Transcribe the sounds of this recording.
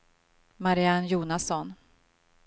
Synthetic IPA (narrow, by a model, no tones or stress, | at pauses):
maɾɪanjuːnasɔn